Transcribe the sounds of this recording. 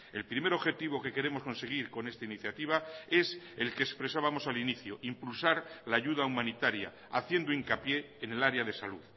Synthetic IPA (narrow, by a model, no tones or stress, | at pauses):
e̞lpɾime̞ɾo̞βxe̞t̪iβ̞o̞ke̞ke̞ɾe̞mosko̞nse̞ɣ̞iɾko̞ne̞st̪ainiθjat̪iβ̞ae̞se̞lkeːspɾe̞saβamo̞saliniθjoʔimpulsaɾlaːʝuðaumãnit̪aɾja̰ | aθje̞nd̪oiŋkapje̞ːne̞laɾeaðe̞saluð